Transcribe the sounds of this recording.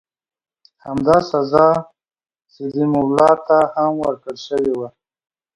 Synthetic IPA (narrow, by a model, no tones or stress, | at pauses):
hamd̪ɑsazɑ | sed̪imawlɑt̪ahamwəɾkəɽʃəwewa